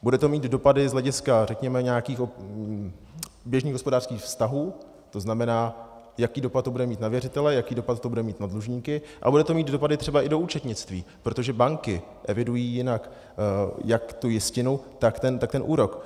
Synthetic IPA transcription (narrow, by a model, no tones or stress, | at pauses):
budɛt̪o̞miːt̪do̞padɪzɦlɛɟɪskarɛkɲɛmɛɲɛakiːxo | bjɛʒniːɣɦospo̞daːr̥skiːxfst̪aɦuː | t̪o̞znamɛnaː | jakiːdo̞pat̪̚ːobudɛmiːt̪navjɛrɪt̪ɛlɛjakiːdo̞pat̪t̪ːobudɛmiːt̪nadluʒɲiːkɪʔa̰budɛt̪o̞miːd̪do̞padɪt̪r̝ɛbaʔɪdo̞uːt͡ʃɛt̪ɲɪt͡st̪vḭːpɾo̞t̪oʒɛbaŋkɪ | ʔɛvɪdujiːjɪnak | jakt̪ujɪscɪnut̪akt̪ɛnt̪akt̪ɛnʔuːɾo̞k